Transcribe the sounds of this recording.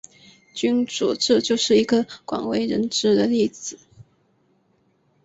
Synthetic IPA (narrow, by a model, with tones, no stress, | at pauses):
t͡ɕy˥nʈ͡ʂṵ˨˩ʈ͡ʂ̩˥˧t͡ɕjo˥˧ʊʂɻ̩˥˩i˧˥ɡə˧kwa̰˨˩ŋwe˧˥ɪɻə˧˥nʈ͡ʂɻ̩˥d̪ə˨li˥˩d͡zɹ̩˨˦